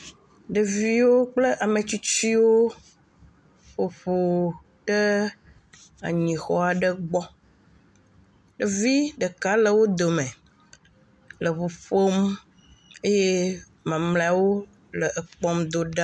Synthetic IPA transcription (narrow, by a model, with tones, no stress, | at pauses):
ɖə˨vi˦wo˦k͡plə˦ʔa˨me˨t͡ɕi˦t͡ɕi˦wo˦ | ɸo˨ɸo˨ | ɖ̥ə˦ | a̰˨ɲĩ˨xɔ˦a˨ɖə˦ɡ͡bɔ˦ | ɖə˨vi˦ɖə˨ka˨˦lə˨wo˦d̪o˨mẽ˨ | lə˨ɸo˨ɸo˦m | e˦je˦ | mã˨mlẽ˦˨a˨wo˦ | lə˨ʔə˨k͡pɔ˦md̪o˨ɖa˦